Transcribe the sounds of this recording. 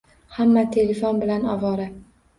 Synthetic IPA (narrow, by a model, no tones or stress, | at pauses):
hamːat̪ʰe̞lefonbɪlanɒvɒɾɪ